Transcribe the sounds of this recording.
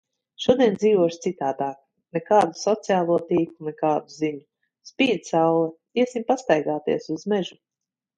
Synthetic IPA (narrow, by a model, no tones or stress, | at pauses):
ʃuɔd̪iɛnd̪ziːvuɔʃt̪sit̪aːd̪aːk̚ | nɛkaːd̪usɔt̪sijaːlˠuɔt̪iːkunɛkaːd̪uziɲu | spiːd̪sawlˠɛ | iɛsimpast̪ajɡaːt̪ḭɛsuzmɛʒu